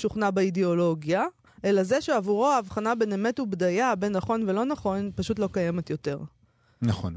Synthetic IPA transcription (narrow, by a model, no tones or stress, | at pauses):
ʃuχnabeideolo̞ɡja | ʔe̞laze̞ʃeavuʁo̞aːvχanabeneme̞tubdajabe̞nːaχo̞nvelo̞naχo̞npaʃutlokaje̞metjo̞te̞ʁ | naχo̰n